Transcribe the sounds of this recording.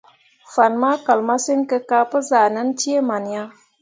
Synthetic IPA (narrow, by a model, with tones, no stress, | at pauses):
fa˨nma˦ka˨lma˦si˦ŋkə˦ka˦pə˦za˨na˦nti˦e˦ma˨nja˦